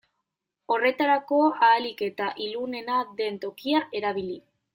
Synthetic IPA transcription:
o̞re̞t̪aɾako̞aːlike̞t̪aʔilune̞nad̪e̞nt̪o̞kiaʔe̞ɾaβ̞ili

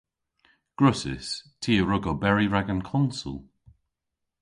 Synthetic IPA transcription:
ɡ̥ɹʊsɪ̰stʰiːəɹʊɡobɛɹiɹaɡənkʰɔnsʊ̰lˠ

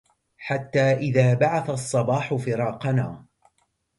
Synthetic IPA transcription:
ħat̪ːaːʔɪðaːbaʕaθasˤːɑbɑːħʊfɪɾɑːqɑnaː

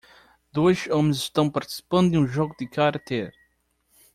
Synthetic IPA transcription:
d̪ojʃomziʃt̪ɐ̃w̃pɐɾt̪i̥si̥pɐ̃nd̪ũʒɔɡud̪ɨkaɾɐt̪eɾ

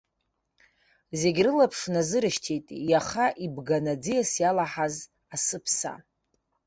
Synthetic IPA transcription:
zeɡʲrɨlapʰʂnazɨɾɨʃtʰejtʼjaχaʔibɡanad͡zijasjalaħaz | asɨpʰsa̰

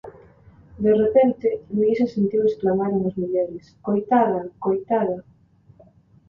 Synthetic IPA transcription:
d̪erepent̪ɪmiisesent̪iwesklamaɾeŋazmiʎɛɾɪskojt̪aðɐkojt̪aðɐ

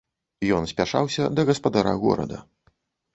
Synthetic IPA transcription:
jɔnsʲpʲaʂawsʲɐd̪ɐɣɐspad̪aɾa̰ɣɔ̰ɾɐ̰d̪ɐ

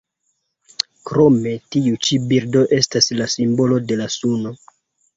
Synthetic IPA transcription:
kɾo̞me̞tiut͡ʃibiɾdo̞ʔe̞staslasimbo̞lo̞de̞lasuno̞

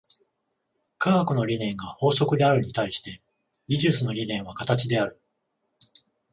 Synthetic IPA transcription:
kaːkɯno̞ɾʲinẽ̞ŋɡaho̞ːso̞kɯ̟d̪e̞aɾɯ̟ɲ̟it̪aiɕi̥t̪e̞ | iʑɨsɨno̞ɾʲinẽ̞ɰ̃β̞akat̪at͡ɕid̪e̞aɾɯ̟

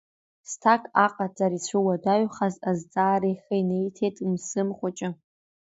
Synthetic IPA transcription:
stʰakʼaqʼad͡zʼaɾit͡sʷʰɨwadaɥχazazd͡zʼaːɾiχʲajnejtʰetʼmsɨmχʷat͡ʃʼa

